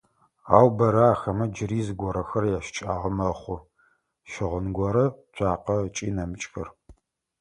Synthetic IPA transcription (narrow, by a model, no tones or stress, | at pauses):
aːwbɐɾɐaːxɐmɐd͡ʒɪriːzɨɡʷɔɾɐxɐrjaʃt͡ʃʼaːʁɐmɐχʷʊ | ʃɪʁʷənɡʷɔɾɐt͡ʃʷʼaːqɐt͡ʃʼḭːnɐmɨt͡ʃʼxɐ̰r